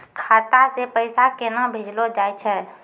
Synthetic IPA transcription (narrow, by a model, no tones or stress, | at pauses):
kʰat̪asepəɪsakenabʱed͡ʒlod͡ʒaːjt͡ʃʰɛː